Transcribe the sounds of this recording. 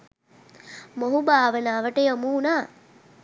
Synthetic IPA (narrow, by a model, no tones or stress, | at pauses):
moɦubaːʋənaːʋəʈəjomuːnaː